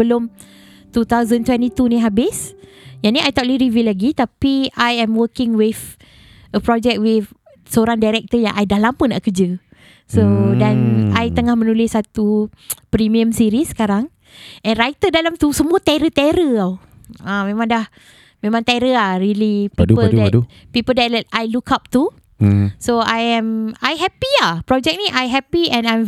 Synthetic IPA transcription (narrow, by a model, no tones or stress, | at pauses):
əlʊm | t̪ut̪awzə̃nt̪wɛ̃nt̪it̪unĩɦabɪs | janiajt̪ɔʔliɾivilaɡit̪apiajɛ̃mwəkɪŋwɪf | əpɾɔd͡ʒɛk̚t̚wɪf | səoɾaŋdajɾɛk̚t̪əjaŋʔajdalampʊnːa̰ʔkəd͡ʒə | sodanajt̪əŋahmə̃nulɪsːat̪u | pɾimiə̃msiɾisə̥kaɾaŋ | ʔɛ̃nrajt̪ədalamt̪usəmũat̪ɛɾət̪ɛɾəaw | ãmẽmãŋdah | mẽmãŋt̪aɾəahɾilipidupəldɛu | pipəldɛtɛt̚ajlukap̚t̪u | soajɛ̃majɦɛpiapɾɔd͡ʒɛk̚niʔajɦɛpiɛ̃nãjm